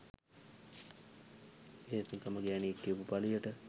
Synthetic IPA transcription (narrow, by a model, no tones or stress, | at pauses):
eːt̪unt̪aməɡænieʈːiupupalijəʈə